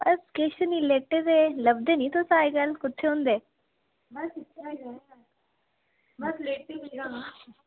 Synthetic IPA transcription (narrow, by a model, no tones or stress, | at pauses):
bɐskeːʃənileːʈːed̪eləbd̪eːnĩːt̪osaːeɡalkʊt̪ʰːeɦõːnd̪eː | bsle